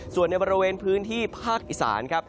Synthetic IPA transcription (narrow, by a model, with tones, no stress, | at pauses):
su˨˩ənːa˧jbɔː˧ɾi˧weː˧npʰɯː˦˥nt̪ʰiː˥˩pʰaː˥˩k̚ʔi˨˩sa̰ː˩˦nkʰa˦˥p̚